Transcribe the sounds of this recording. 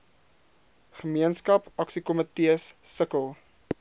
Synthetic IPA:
χəmiənskɐpɐksikɔmətiəsːəkəlˠ

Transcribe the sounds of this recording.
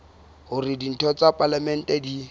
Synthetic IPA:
ɦʊrɪdin̩tʰɔt͡sʼapʼalamɛn̩tʼɛdi

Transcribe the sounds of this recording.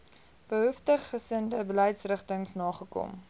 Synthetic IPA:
b̥əɦuftəχːəsəndəbələjtsrəχtəŋsnɑːχəkɔ̰m

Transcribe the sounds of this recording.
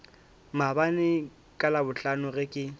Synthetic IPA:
mabanɪ | kʼalabʊt͡ɬanʊɣɪkʼɪ

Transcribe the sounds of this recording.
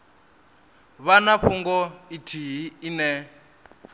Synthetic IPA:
βanaɸuŋɡɔitʰiɦiinɛ

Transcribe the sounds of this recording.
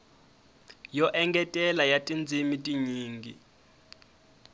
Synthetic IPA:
jɔʔɛŋɡɛtʼɛlajatʼind͡zʱimitʼiɲiːŋɡi

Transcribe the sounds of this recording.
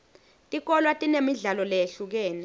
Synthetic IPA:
tʼik̬ɔlwatʼinemiɮalɔlɛeɬuk̬ɛːnɛ

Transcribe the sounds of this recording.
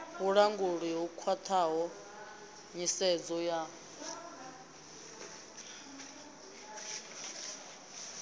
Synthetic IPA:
βuɺaŋɡuɺiɦukʰwat̪ʰaɦɔ | ɲisɛd͡zɔja

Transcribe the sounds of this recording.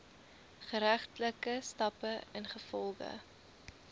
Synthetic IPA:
χəɾæχtləkəstɐpəənχəfɔlˠχə̰

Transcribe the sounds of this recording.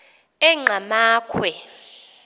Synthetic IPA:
ɛŋ͡ǃamaːkʰwɛ

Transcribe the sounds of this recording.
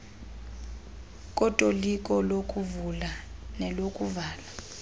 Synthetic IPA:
k̬ʼɔtʼolikʼɔlokʼuvulanɛlokʼuvaːla

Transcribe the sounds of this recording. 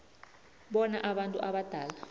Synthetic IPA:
ɓɔnaʔaɓantʼṵʔaɓad̥ʱaːla

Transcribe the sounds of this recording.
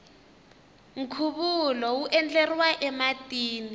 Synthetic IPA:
ŋ̩kʰuɓulɔuʔɛnd͡ɮɛriwaʔɛmatʼiːni

